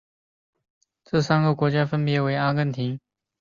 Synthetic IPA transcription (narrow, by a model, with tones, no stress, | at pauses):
ʈ͡ʂɤ˥˩sa˥nɡə˨kwɔ˧˥t͡ɕja˥fə˥npjɛ˧˥we˧˥ɪa˥kə˥˩nt̪ʰi˧˥ŋ